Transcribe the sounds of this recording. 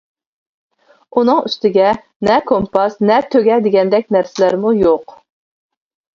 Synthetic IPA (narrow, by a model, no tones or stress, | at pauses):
unɨŋyst̪ɪɡʲɛ | nɛkʰompɑsnɛt̪ʰøɡʲɛd̪ɪɡʲɛnd̪ɛkʲnæɾsɪlæɾmujoq